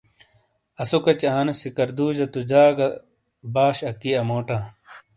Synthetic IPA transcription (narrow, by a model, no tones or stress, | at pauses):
ɐsukɐt͡ɕaːnɐsikɐɾd̪uːʑɐt̪ud͡ʑaːɡɐ | baːɕɐkiɐmoːʈãː